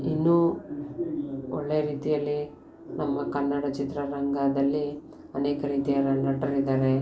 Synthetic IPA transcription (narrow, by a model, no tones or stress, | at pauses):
inːuː | ɔɭːejɐɾiːt̪ijɐlːi | nɐmːɐkɐnːɐɽɐt͡ʃit̪ɾɐɾɐŋɡaːd̪ɐlːi | ɐneːkɐɾiːt̪ijɐɾɐnɐʈɐɾid̪aːɾe̞